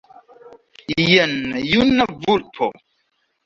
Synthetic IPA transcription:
jənjunəvulpʰo

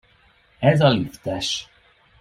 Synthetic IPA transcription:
ɛzɒlift̪ɛʃ

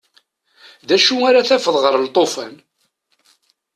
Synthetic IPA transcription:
ðæʃuaɾaθæfəðˤʁəɾˤlt̪ˤːofæ̰n

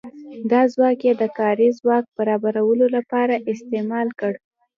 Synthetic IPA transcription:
d̪ɑzwɑkjed̪əkɑɾizwɑk̚b̥aɾɑbaɾawəlolapɑɾaʔɪst̪emɑlkəɽ

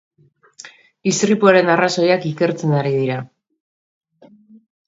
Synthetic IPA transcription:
ist̪ɾipuaɾe̞naraso̞jakike̞ɾt͡se̞naɾiðiɾa

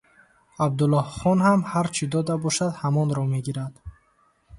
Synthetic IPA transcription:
ab̚d̪ulɔhχɔnhamhaɾt͡ʃʰid̪ɔd̪abɔʃad̪hamɔnɾɔme̞ɡiɾad̪̥

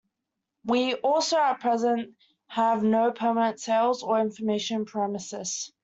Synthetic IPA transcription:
wiʔɔˑlˠsəʊət̚pʰɹ̥ɛzə̃nʔ | həvnəʊpʰɜːmənə̃ntseɪlˠzəɹɪ̃ɱfəmeɪʃə̃npʰɹ̥ɛmɪsɪz̥

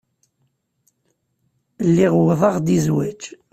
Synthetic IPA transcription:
lːiʁwðˤɑʁd̪izwæt͡ʃː

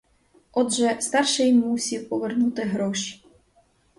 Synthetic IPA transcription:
ɔdʒɛst̪ɑrʃɪjmusʲiwpɔʋernut̪ɪɦɾɔʃi̥

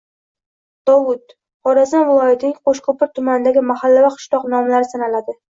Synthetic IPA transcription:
d̪̥ɒwʊt̪ | χɒɾazɒnvɪlˠɒjat̪ʰɪnɪŋqoʃkʰopɪɾt̪ʰʊmanɪd̪aɡʲɪmahalːavaqʰɨ̥ʃlˠɒqnɒmlaɾɪsanalad̪ɪ

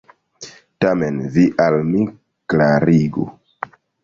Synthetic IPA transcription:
tamenviʔalmi | klaɾiɡṵ

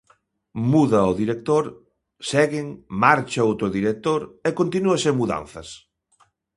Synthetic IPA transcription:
muðɐoðiɾek̚t̪oɾ | sɛɣɪŋmaɾt͡ʃɐowt̪ɾʊðiɾek̚t̪oɾɛkont̪inuɐseŋmuða̰n̟θɐs

